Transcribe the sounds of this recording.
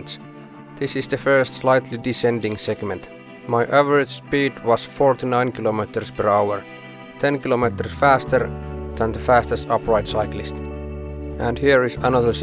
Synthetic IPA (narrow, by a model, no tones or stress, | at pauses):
ns | ðɪsɪzðɨfɜ˞stslaɪt̪ʰlidɪsɛ̃ndɪ̃ŋsɛɡmɛ̃nt | maɪʔævəɹɪd͡ʒ̥spidwʌz̥fɔɹt̪inãɪ̃nkʰɪlomitəɹspʰə˞aʊəɹ | t̪ʰɛ̃nkɪlomitə˞sfæstʰə˞ðæ̃nðəfæstəstʌpʰɹaɪtsaɪklɪst | ʔæ̃nhiɹɪzənʌðə˞s